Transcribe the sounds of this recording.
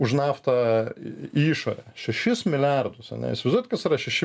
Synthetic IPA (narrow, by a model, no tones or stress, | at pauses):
ʊʃnɑːft̪ɐ | iːʃoːɾʲɛʃʲɛʃʲɪsmʲɪlʲærd̪ʊsɐ̰nʲɛ̰ɪ̰sʲʋʲɐzd̪uːɛt̪̚ʲkɐsiɾɐʃʲɛʃʲɪ